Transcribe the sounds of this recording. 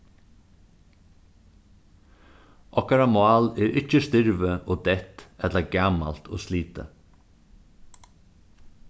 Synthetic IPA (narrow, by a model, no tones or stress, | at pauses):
ʔɔkɑɾɑmʊɑːleːɾʔɪc͡çəst̪ʏɹʋəʔoːd̪ɛt̪ʔɛt̪ləɡɑmɑ̰lt̪ʰo̰ːsliːt̪ə̰